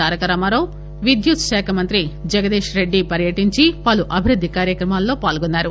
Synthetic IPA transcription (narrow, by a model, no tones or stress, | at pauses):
aːɾɐkɐɾɐmaːɾoː | ʋid̪jut̪ʃɛːkʰɐmɐnt̪ɾid͡ʒɐɡɐd̪eːʃɾe̞ɖːipɐɾjɐʈiɲt͡ʃipɐluʔɐbʱiɾud̪ʱːikaːɾjɐkɾɐmaːlːo̞ːpaːlɡonːaːɾu